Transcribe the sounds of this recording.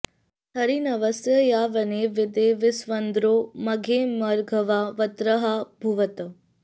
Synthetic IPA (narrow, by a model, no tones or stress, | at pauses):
t̪ʰɐɾinɐʋəsjəjaʋɐneʋɪd̪eʋɪsʋənd̪ɾoːmɐɡʱemɐɾɡʱəʋaʋɐt̪ɾəɦabʱuʋət̪